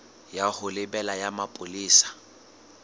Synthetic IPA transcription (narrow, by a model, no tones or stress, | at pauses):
jahʊlɪbɛlajamapʼʊliːsḁ